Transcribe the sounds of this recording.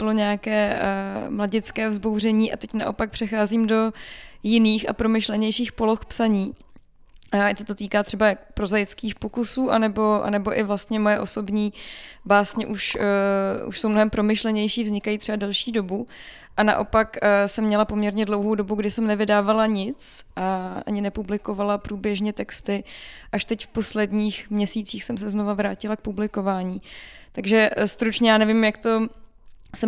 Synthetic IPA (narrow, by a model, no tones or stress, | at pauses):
b̥ɪloɲɛakɛːmlaɟɪt͡skɛːvzbo̞wr̝ɛɲiːʔa̰t̪ɛcnaʔo̞̰pak̚pr̥ɛxaːziːmdo̞jɪniːxa̰pɾo̞mɪʃlɛɲɛjʃiːxpo̞lo̞xpsaɲiː | sɛ̥t̪ot̪iːkaːt̪r̥ɛbajakpɾo̞zajɪt͡skiːxpokusuːʔa̰nɛbo̞ʔa̰nɛbo̞ʔɪvlast̪ɲɛmo̞jɛʔo̞so̞bɲiːbaːsɲɛʔuʃ | ṵʃso̞wmnoɦɛmpɾo̞mɪʃlɛɲɛjʃiːvzɲɪkajit̪r̥ɛbadɛlʃiːdo̞bu | ʔana̰ʔo̞pakːsɛmːɲɛlapo̞mɲɛɾɲɛdlo̞wɦowdo̞buɡdɪsɛmnɛvɪdaːvalaɲɪt͡sʔaa̰ɲɪnɛpublɪko̞valapɾuːbjɛʒɲɛt̪ɛkst̪ɪ | ʔaʃt̪ɛcfpo̞slɛdɲiːxmɲɛsiːt͡siːxsɛmsɛzno̞vavɾaːcɪlak̚publɪko̞vaːɲiː | t̪aɡʒɛst̪ɾut͡ʃɲɛjaːnɛvimjakt̪o̞ | sɛ